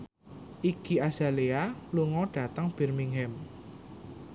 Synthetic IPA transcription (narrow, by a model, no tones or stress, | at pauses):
ʔiɡ̥iaz̥a̤lealuŋɔɖ̥ä̤t̪əŋb̥ɛ̤rmiŋɦɛm